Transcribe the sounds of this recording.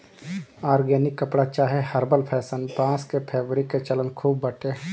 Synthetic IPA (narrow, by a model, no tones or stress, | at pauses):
aːɾɡɛːnɪkːəpɽat͡ʃaːɦehəɾbəlpʰɛːsənpãːskepʰeːbɾiket͡ʃələnkʰuːbːəʈe